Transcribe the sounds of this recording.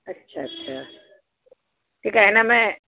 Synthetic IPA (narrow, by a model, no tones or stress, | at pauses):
ɐtːʃʰaɐtːʃʰa | ʈʰiːkɛɦɛnamɛ̃